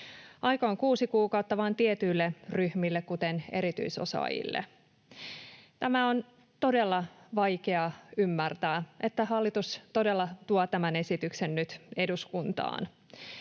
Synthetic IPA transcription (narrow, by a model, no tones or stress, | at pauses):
ʔɑjkooŋkuːsikuːkɑwt̪ːɑʋɑːnt̪iet̪yilːeryhmilːekkut̪ene̞̰ɾit̪y̰iso̞̰sɑ̰ːjḭlːḛ | t̪æmæo̞n | t̪o̞delːɑʋɑjkeɑymːært̪æːʔe̞t̪ːæɦɑlːit̪ust̪o̞delːɑt̪uɑt̪æmæne̞sit̪yksenːyt̪e̞duskunt̪ɑ̰ːn